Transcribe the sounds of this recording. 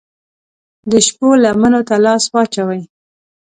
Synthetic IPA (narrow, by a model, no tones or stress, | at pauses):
d̪əʃpolamanot̪alɑswɑt͡ʃawəj